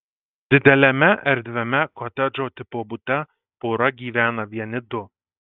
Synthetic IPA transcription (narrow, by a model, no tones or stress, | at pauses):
d̪̥ɪd̪ɛlɛmɛʔɛɾd̪vɛmɛkʰɔt̪ɛd͡ʒot̪ɪpobut̪ɛ | poɾɑɡiːvæːnɐvjɛnɪd̪o